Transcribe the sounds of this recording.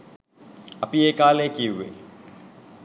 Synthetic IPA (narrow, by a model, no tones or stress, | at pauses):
ɐpieːkaːleːkeɦʊḛː